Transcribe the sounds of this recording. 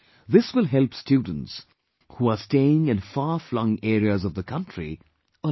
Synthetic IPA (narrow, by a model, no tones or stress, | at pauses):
ðɪswɪlˠɦɛlˠpstjʉdⁿn̩ts | huəsteɪɪ̃ŋɨ̃nfɑɹflʌ̃ŋɛːɹiəzʌvðəkʰʌ̃nt͡ʃɹ̥ḭ | ə